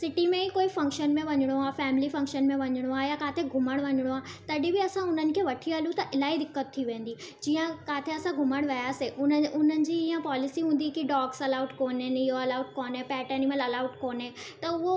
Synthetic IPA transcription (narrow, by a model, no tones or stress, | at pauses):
sɪʈimẽikoːifɐ̃ŋkʃənmẽʋɐɲɪɽ̃oaːfɛːmɪlifɐ̃ŋkʃənmẽʋɐɲɪɽ̃oaːjakaːt̪ʰeɡʱʊməɽ̃ʋɐɲɪɽ̃oaːt̪ɐɗɪbɪɐsãʊn̤ənɪ̆kʰeːʋɐʈʰiɦəlũt̪ɐʔɪlaːid̪ɪkːət̪ʰːiʋẽːn̆d̪i | d͡ʑiːə̃kaːt̪ʰeɐsãɡʱʊməɽ̃ʋɐjaːseʔʊnʊn̤ənɪ̆d͡ʑiːiːə̃paːlɪsiɦũːn̆d̪ikiɖaːksɐlaːʊʈkoːnenɪɦoɐlaːʊʈ̚koːnẽpɛːʈəniməlɐlaːʊʈkoːnẽt̪ɐʊɦo